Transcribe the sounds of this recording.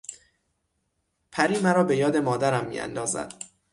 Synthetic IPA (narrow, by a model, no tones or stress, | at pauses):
pʰæɾiːmæɾɒːbe̞jɒːd̪e̞mɒːd̪æɾæmːḭːʔæ̰nd̪ɒːzæ̰d̪̥